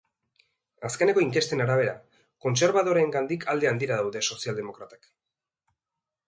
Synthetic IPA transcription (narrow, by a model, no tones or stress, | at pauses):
aske̞ne̞ko̞iŋke̞st̪e̞naɾaβ̞e̞ɾa | ko̞nse̞ɾβaðo̞ɾe̞ːŋɡand̪ikʰald̪e̞and̪iɾaðawðe̞so̞siald̪e̞mo̞kɾat̪ak